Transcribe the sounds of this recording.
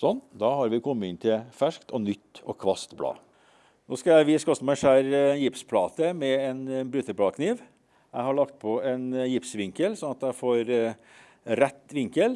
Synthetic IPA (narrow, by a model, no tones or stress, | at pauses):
sɔnːd̪ɑːhɑɾʋɪkʰɔmːəɪnt̪ʰɪlfæʂkt̪ʰɔnʏt̪ːɔkʰʋɑst̪blɑ̰ː | noːskɑjæɪʋɪskɔst̪əmæɪʂæːɾɛnjɪpspʰlɑːt̪əmɛɛnbɾʉt̪əɾblɑːkʰniːʋ | jæɪhɑɭɑkt̪̚pʰɔɛnjɪpsʋɪŋkəlsɔnɑt̪æɪfoːɾ | ɾɛt̪ːʋɪŋkəl